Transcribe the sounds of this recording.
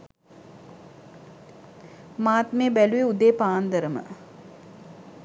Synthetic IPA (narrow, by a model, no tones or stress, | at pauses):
maːt̪meːbæluʋeud̪eːpaːnd̪əɾəmə̰